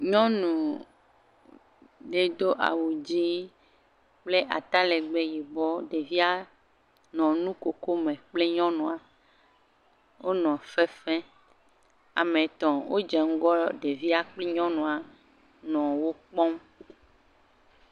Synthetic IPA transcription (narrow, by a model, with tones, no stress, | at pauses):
ɲɔ̃˦nũ˨ | ɖe˨d̪o˦ʔa̰˨wu˨d͡ʑi˦ | k͡ple˦ʔa̰˨t̪a˦le˨ɡ͡be˦ji˨bɔ˦ɖe˨vi˦a˦ | nɔ̃˨nũ˦ko˨ko˦mẽ˨k͡ple˦ɲɔ̃˦nũ˨a˨ | wo˦nɔ̃˨fe˦fɛ̃˦ | a̰˨mẽ˨t̪ɔ̃˨wʔo˦d͡ʒɛ˨ŋ̩˦ɡɔ˦ɖe˨vi˦a˦k͡ple˦ɲɔ̃˦nũ˨a˨ | nɔ̃˨wo˦k͡pɔ˦m